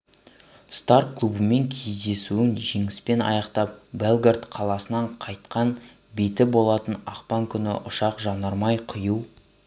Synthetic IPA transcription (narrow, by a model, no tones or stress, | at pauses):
st̪ɑrkkːlˠubəme̞ŋkʲʰejzd̪e̞suɪnʒeŋɪspe̞nɑ̰jɑqt̪ɑp̚belˠɡʲert̪qʰɑlˠɑsənɑɴqʰɑjt̪qɑn | be̞t̪ɪbo̞lˠɑt̪ənɑqpɑŋkʲʰʏnɪ̰ʔʊʃɑqʒɑnɑɾmɑjqʰəjuw